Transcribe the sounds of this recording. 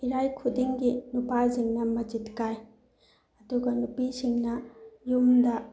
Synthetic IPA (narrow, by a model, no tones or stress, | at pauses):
iɾajkʰudiŋɡinupaziŋnɐmɐd͡ʒitkaj | ɐduɡɐnupisiŋnɐjumdɐ